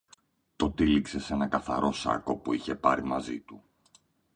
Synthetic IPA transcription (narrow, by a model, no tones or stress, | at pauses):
t̪o̞t̪ilikse̞se̞nɐkɐθɐ̰ɾo̞sɐ̰ko̞puiçe̞pɐɾimɐzit̪u